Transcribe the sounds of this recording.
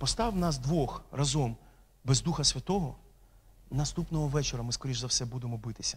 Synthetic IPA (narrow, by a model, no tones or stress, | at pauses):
pɔst̪ɑʋwnɑzd̪ʋɔxrɐzɔm | bezd̪uxɐsʲʋʲɐt̪ɔɦɔ | nɐst̪upnɔɦɔʋɛt͡ʃeɾɐmɪskɔɾʲiʒzɐwsɛbud̪emɔbɪt̪ɪ̥sʲɐ